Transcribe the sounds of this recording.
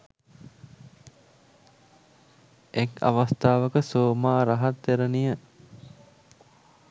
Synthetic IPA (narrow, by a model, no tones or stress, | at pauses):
eka̰ʋast̪aːʋəkəsoːmaːɾaɦat̪ːeɾənijə